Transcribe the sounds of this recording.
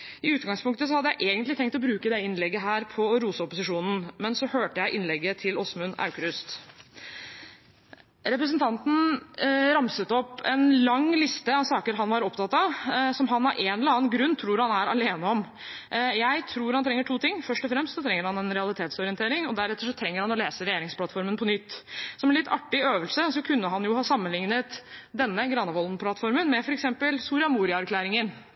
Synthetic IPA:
ɪʉːt̪ɡɑŋspʊŋkt̪əsɔhɑd̪ːəjæɪʔeːɡənt̪lɪt̪ʰɛŋkt̪ɔbɾʉːkəd̪ɛɪnlɛɡːəɦæːɾpʰɔɾuːsəɔpʊsɪʂuːnn̩mɛnsɔhøːʈəjæɪʔɪnlɛɡːət̪ʰɪlɔsmʉnɑ̰ʉkɾʉst̪ | ɾɛpɾəsənt̪ʰɑnt̪n̩ | ɾɑmsət̪ɔpːɛnlɑŋlɪst̪əɑʋsɑːkəɾɦɑnʋɑɾɔpt̪ʰɑt̪ːɑsɔmɦɑnɑɾʔɛnɛləɑːnɡɾʉnːt̪ʰɾuːɾhɑnæɾɑleːnəɔm | jæɪt̪ʰɾuːɾhɑnt̪ʰɾɛŋːəʈʰuːt̪ʰɪŋːfœʂʈɔfɾɛmst̪sɔt̪ʰɾɛŋːəɾhɑnɛnɾɛɑlˠɪt̪ʰeːt̪sɔɾɪənt̪eːɾɪŋɔd̪æɾɛt̪ːəʂɔt̪ʰɾɛŋːəɾhɑnɔleːsəɾɛjeːɾɪŋspʰlɑt̪fɔɾmənpʰɔnʏt̪ːsɔmɛnlɪt̪ʰːɑ̰ʈːɪøːʋəlsəsɔkʰʉnːəɦɑnjʊhɑːsɑmːənlɪŋnət̪d̪ɛnːəɡɾɑnəʋɔld̪npʰlɑt̪fɔɾmənmɛfɔɾɛksɛmpəlsuːɾɪɑmuːɾɪɑæɾkʰlæːɾɪŋən

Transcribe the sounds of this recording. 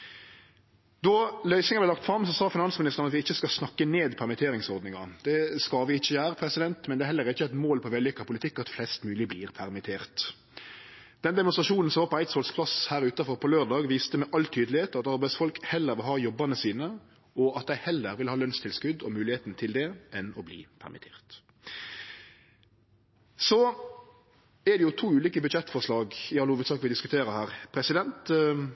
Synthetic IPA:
d̪ɔlœʏsnɪŋəb̪ɛlɑk̚t̪fɾɑmsɔsɑːfɪnɑnsmɪnɪst̪ənɑt̪ʋɪɪçːəskɑsnɑkːəneːd̪pʰæʁmɪt̪ʰeːɾɪŋsɔʁd̪nɪŋɑd̪̥ɛskɑʋɪɪçːəjæːɾəpʰɾɛsɪd̪ɛnt̪mɛnd̪ɛhɛlːəɾɪçːəæɪt̪moːlpʰɔʋɛljɛkːɑpʊlɪt̪ʰɪkːɑt̪flɛst̪mʉːlɪbliːʁpʰæʁmɪt̪ʰeːʁt̪ | d̪ɛnd̪ɛmʊnsɾʁɑʃuːnn̩sɔʋɑːpɔæɪt̪sɔlspʰlɑshæːɾʉːt̪ɑfɔʁpʰɔløːʁd̪ɑːɡʋiːst̪əmɛʔɑlt̪ʰyːd̪əlɪheːt̪ɑt̪ɑɾbæɪsfɔlkhɛlːəɾʋɪlɦɑːjɔbɑnəsiːnə | ɔɑt̪̚d̪æɪhɛlːəɾʋɪlhɑːlœnst̪ʰɪlskʉd̪ɔmʉːlɪheːt̪nt̪ʰɪld̪ɛʔɛnɔblḭːpʰæ̰ʁmʔɪ̰t̪ʰḛːʁt̪ | sɔ | ɛd̪ɛjʊt̪ʰuːʉːliːkəbʉd̪ʃɛt̪ːfɔʁʂlɑːɡɪɑləhuːʋət̪sɑːkʋɪd̪ɪskʉ̥t̪ʰeːɾəhæːʁpʰɾɛsɪd̪ɛnt̪

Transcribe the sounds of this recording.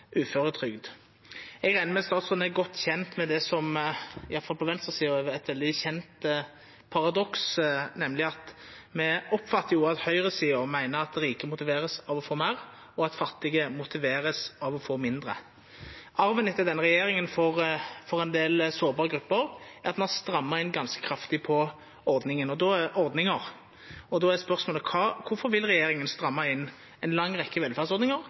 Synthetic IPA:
ʉːføʁət̪ʰʁʏɡd̪ | ɛɡʁæɪnəmɛst̪ɑːt̪sʁʉnɛɡɔt̪ːçɛnt̪mɛd̪ɛsɔmɪjɑt̪fɑlpʰɔʋɛnst̪ʁəsiːʊɛɛt̪ʋɛld̪ɪçɛnt̪ | pʰɑʁɑd̪ɔksnɛmlɪɑt̪ | mɛɔpːfɑt̪ːəɾjʊɑt̪hœʏʁəsiːʊmæɪnəɾɑt̪d̪ɛɾiːkəmʊt̪ɪʋeːɾəsɑːʋɔfoːmeːɾ | ɔɑt̪fɑt̪ːɪɡəmʊt̪ɪʋeːʁəsɑʋɔfoːmɪnd̪ɾə̰ | ɑɾʋɛnɪt̪ɛd̪ɛnːəʁɛjeːɾɪŋənfɔʁfɔɾɛnd̪eːlsoːɾbɑːʁəɡɾʉpːəɾɛʁɑt̪mɑnst̪ɾɑmːɑɪnːɡɑnskə̥kʰɾɑft̪ɪpʰɔ | ɔɾd̪nɪŋənɔd̪ɔʔɔɾd̪nɪŋəʁ | ɔd̪ɔæspœʁsmoːləkʰɑːkʰʊfɔɾʋɪlʁɛjeːɾɪŋənst̪ɾɑmːɑɪnː | ɛnlɑŋːʁɛkːəʋɛlfæːʁsɔʁd̪nɪŋəʁ

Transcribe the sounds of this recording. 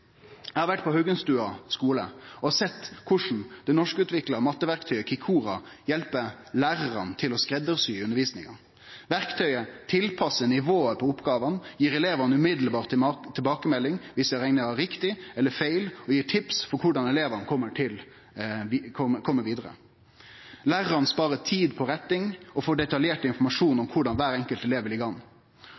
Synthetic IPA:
jæhɑɾʋæʈːpʰɔhœɡənst̪ʉːɑskuːlə̰ɔsɛt̪ːkʰʊʂn̩d̪̥ɛnɔʂkəʉːt̪ʰʋɪkləɾmɑt̪ːəʋæɾkt̪ʰœʏəkʰɪkʰuːɾɑ̰jɛlpə | læːɾɑɾɑnt̪ʰɪlɔskɾɛd̪əɾsyːʉnəɾʋiːsnɪ̰ŋɑ̰ | ʋæɾkt̪ʰœʏət̪ʰɪlpʰɑsːənɪʋoːəpʰɔʊpːɡɑːʋɑnjiːɾɛleːʋɑnəʉmɪd̪lbɑːʁt̪ʰːɪlbɑːkəmɛlːɪŋʋɪsɛɾɛɪŋnəæɾɪkt̪ɪɛlːəfeɪlɔjiːʈʰɪpsfɔɾkʰʊɖɑnɛleːʋənəkʰɔmːəʈʰɪl | kʰɔkʰɔmːəɾʋiːd̪əʁə̰ | læːɾəɾɑnspɑːʁət̪ʰiːd̪pʰɔɾɛt̪ːɪŋɔfoːɖɛt̪ɑljeːʈɪnfɔɾmɑʂuːnɔmkʰʊɖɑnʋæːɾɛŋkəlt̪ɛleːʋəlɪɡɑŋ

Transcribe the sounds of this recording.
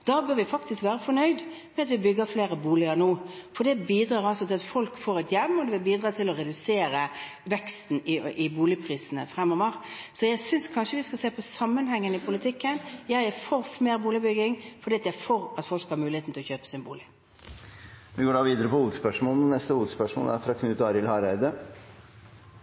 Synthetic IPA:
d̪̥ɑbøːɾʋɪfɑkt̪ɪskʋæːɾəfɔnœʏd̪mɛɑt̪ʋɪbʏɡːəfleːɾəbuːlɪəɾnuːfɔɖd̪ɛbiːd̪ɾɑːɾɑlsɔt̪ʰɪlɑt̪fɔlkfoːɾɛt̪jɛmːɔd̪ɛʋɪbiːd̪ɾɑːt̪ʰɪlɔɾɛd̪ʉseːɾə | ʋɛkst̪n̩ɪʔɪbuːlɪpʰɾiːsənə̰fɾɛmːɔʋəɾ | sɔjæɪsʏnskʰɑnʂəʋɪskɑseːpʰɔsɑmːənhɛŋːənəɪpʰʊlɪt̪ʰɪkːənjæɪɛfɔʁmeːɾbuːlɪbʏɡɪŋfɔɾɖiːɑt̪jæɪfoːɾɑt̪fɔlkhɑɾmʉːlɪheːt̪n̩t̪ɛlɔçøːpə̥sɪnbṵːlɪ | ʋɪɡoːɖɑʋiːd̪əɾəpɔhuːd̪spœʂmoːlnənɛst̪əhuːd̪spœʂmo̰ːlæɾfɾɑkʰnʉːt̪ɑːɾɪlhɑɾæɪd̪ə

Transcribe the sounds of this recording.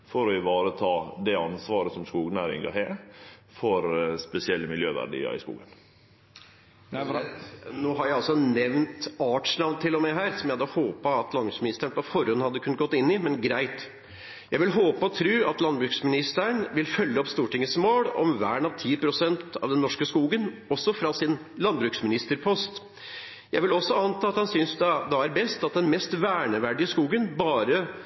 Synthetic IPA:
fɔɾɔɪʋɑːɾət̪ʰɑːd̪ɛɑnsʋɑːɾəsɔmskuːɡnæːɾɪ̰ŋɡɑ̰hɛːfɔɾspɛsɪɛlːəmɪljøːʋæ̰ɖḭːə̰ɾɪ̰skṵːɡən | noːɦɑɾjæɪɑlsɔnɛʋnt̪ɑːʈʂɳɑʋnt̪ʰɪlːɔmɛɦæːɾsɔmjæɪhɑd̪ːəhoːpɑːt̪lɑnbɾʉksmɪnɪst̪əɳəpɔfɔɾhɔnːhɑd̪ːəkʰʉnət̪ɡɔt̪ːɪnːɪmɛnɡɾæɪt̪ | jæɪʋɪlɦoːpəɔt̪ʰɾuːɑt̪lɑnbɾʉːksmɪnɪst̪əɳʋɪlfœlːəɔpst̪uːʈɪŋːəsmoːɽɔ̰mʋæ̰ːɳɑʋt̪ʰiːpɾʊsɛnt̪ɑ̰ʋd̪ɛnːɔʂkəskuːɡənɔsːɔfɾɑsɪn | lɑnbɾʉːksmɪnɪst̪əɾpʰɔst̪ | jæɪʋɪlɔsːɔɑnt̪ʰɑːɑt̪hɑnsʏnsd̪d̪ɑæɾbɛst̪ɑt̪̚d̪ɛnmɛst̪ʋæːɳəʋæɖɪɪskuːɡənbɑːɾə

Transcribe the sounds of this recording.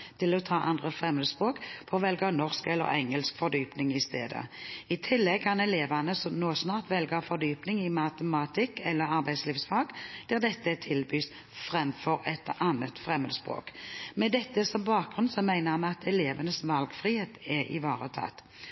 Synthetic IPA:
t̪ʰɪlɔt̪ʰɑːʔɑnd̪ʁəfʁɛmːəd̪əspʁoːkpʰɔːʋɛlɡəɑnɔʁskɛlːə̰ʁɛŋəlskfɔʁd̪yːpnɪŋɪst̪ḛːd̪ə̰ɪt̪ʰɪlːɛɡ̚kʰɑnɛleːʋɑnəsɔnoːsnɑːʁt̪ʋɛlɡɑfɔʁd̪yːpnɪŋɪmɑt̪əmɑt̪ʰɪkːɛlːəʁɑʁbæɪsliːʋfsfɑːɡd̪̥ɛʁd̪ɛt̪ːət̪ʰɪlbyːs | fʁɛmfɔʁɛt̪ʔɑnət̪fʁɛməd̪əspʁo̰ːkmɛd̪ɛt̪ːəsɔmbɑːk̚ɡʁʉnsɔmæɪnəmɛɑt̪ɛleːʋənəsʋɑlɡfʁɪheːt̪ɛɪ̰ʋɑːʁət̪ʰɑ̰t̪

